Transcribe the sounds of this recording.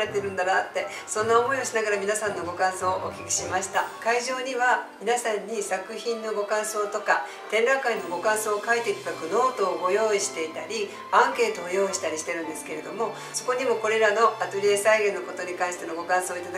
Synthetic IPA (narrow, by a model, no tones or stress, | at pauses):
et̪ːeɾɯ̟̃nd̪anat̪ːe̞ | sõ̞nːaomo̞io̞ɕinaɡaɾamʲinasãnːo̞ɡo̞kãɰ̃so̞ːʔo̰kʲi̥kʲi̥ɕimaɕi̥t̪akaiʑo̞ːɲ̟iβamʲinasãɲ̟ːisakɯ̟çĩnːo̞ɡo̞kãɰ̃so̞ːt̪o̞ka | t̪ẽ̞nɾãŋkainːo̞ɡo̞kãɰ̃so̞ːkait̪e̞kʲi̥bakɯ̟no̞ːt̪o̞ːɡo̞jo̞ːiɕi̥t̪e̞it̪aɾʲi | ãŋke̞ːt̪o̞ːjo̞ːiɕi̥t̪aɾʲiɕi̥t̪e̞ɾɯ̟̃nd̪e̞sɨ̥ke̞ɾe̞d̪o̞mo̞ | so̞ko̞ɲ̟imo̞ko̞ɾe̞ɾano̞at̪oɾʲiesaiɡẽ̞nːo̞ko̞t̪o̞ɲ̟ikãɰ̃ɕi̥t̪e̞noɡo̞kãɰ̃soːit̪ad̪